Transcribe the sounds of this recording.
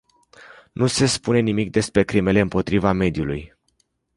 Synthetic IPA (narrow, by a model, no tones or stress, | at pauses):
nuse̞spune̞nimik̚d̪e̞spɾe̞kɾime̞le̞ɨmpo̞t̪ɾivame̞d̪juluj